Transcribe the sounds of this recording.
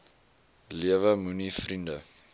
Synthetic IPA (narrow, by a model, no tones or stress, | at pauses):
liəvəmunifrində